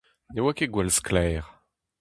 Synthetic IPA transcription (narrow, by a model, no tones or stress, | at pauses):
newakeɡwɛlsklɛːʁ